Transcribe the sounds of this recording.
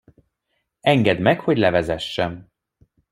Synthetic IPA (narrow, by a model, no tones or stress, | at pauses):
ɛŋɡɛd̪mɛkho̞ɟlɛvɛzɛʃːɛm